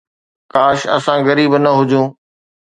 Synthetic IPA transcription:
kaːʃɐ̰sãɣɐɾiːbnɐɦʊd͡ʑʱũː

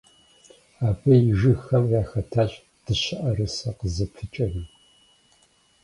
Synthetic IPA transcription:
aːbɐjɪʒɨxɐmjaːxɐtʰaːɕʼ | d̥ɨʃɐʔɐrɨsɐqəzɐpʰɨt͡ʃʼɐnɨ

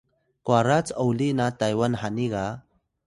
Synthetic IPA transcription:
kwaɾat͡sawlinat̪ajwanhaniɢa

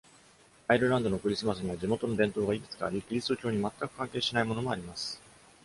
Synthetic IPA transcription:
aiɾɯ̟ɾãnd̪o̞no̞kɯ̟ɾʲisɨmasɨɲ̟iβad͡ʑimo̞t̪o̞nobẽ̞nt̪o̞ːɡaikɯ̟t͡sɨ̥ka̰ːɾʲikɯ̟ɾʲist̪o̞kʲo̞ːɲ̟imat̪ːakɯ̟̥kãŋke̞ːɕinaimo̞no̞mo̞aɾʲimasɨ̥

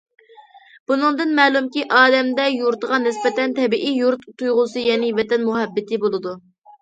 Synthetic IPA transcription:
b̥unɨŋd̪ɨnmɛːlˠumkʲiʔɑːd̪ɛmd̪ɛjuɾt̪əʁɑnɪspɛt̪ɛnt̪ʰɛbiʔijuɾt̪t̪ujʁʊsɨjɛnɪvɛt̪ɛnmuɦɛbːɪt̪ʰɪbolˠɨd̪u

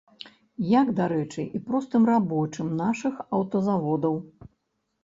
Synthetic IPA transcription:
jaɡd̪aɾɛt͡ʂɨʔipɾɔst̪ɨmrabɔt͡ʂɨmnaʂɨxɐwt̪ɐzavɔd̪ɐw

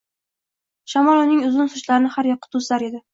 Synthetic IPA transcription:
ʃamɒlˠʊnɪŋʊzʊnsʊʃlaɾɪnɪhaɾjɒqːɨ̥t̪ʰʊzlaɾe̞d̪ɪ

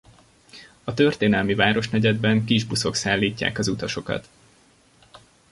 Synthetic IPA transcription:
ɒt̪ø̞rt̪eːnɛlmivaːɾo̞ʃnɛɟɛd̪̚bɛŋkiʒbuso̞ksaːlːiːcːa̰ːkɒzut̪ɒʃo̞kɒ̰t̪

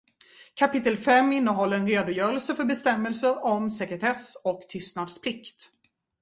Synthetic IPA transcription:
kʰapɪt̪ːəlfɛmːɪnːəɦɔlːəɾɛnɾeːd̪ʊjœːɾəlsəfœɾbɛst̪ɛmːəlsəɾɔmsɛkɾɛt̪ʰɛsɔkt̪ʰʏst̪nad̪spʰlɪkt̪

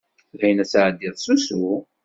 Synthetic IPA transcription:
læjənæsaʕd̪iðˤsusu

